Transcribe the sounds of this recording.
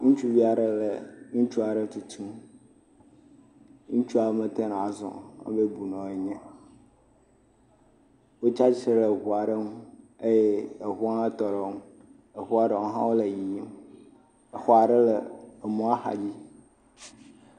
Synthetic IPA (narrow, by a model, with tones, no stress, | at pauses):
ŋũ˦t͡ʃu˦vi˦a˨ɖə˦lə˨ŋũ˦t͡ʃu˦a˨ɖə˦t̪u˨t̪ʰũ˦m | ŋũ˦t͡ʃu˦a˨˦mə̃˨t̪e˦ñ˨a˨zɔ̰̃˨a̰˦be˦bu˨nɔ̃˨e˨ɲɛ̃˦ | wo˦t͡ʃa˦t͡ʃe˦ɾɦu˨a˨ɖə˦nũ˦ | e˦je˦e˨ɦu˦ã˦t̪ɔ˨ɖe˦m˦ | e˨ɦu˦a˨ɖə˨wo˦ɦã˦wo˦le˨ji˨˦m | e˨xɔ˦a˨ɖə˦lə˨mũ˦a˦xa̰˨d͡ʑi˦